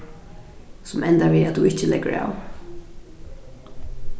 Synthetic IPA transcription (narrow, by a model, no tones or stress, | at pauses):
sʊmɛnt̪aʋiːat̪d̪uɪht͡ʃːəlɛkəɹa̰w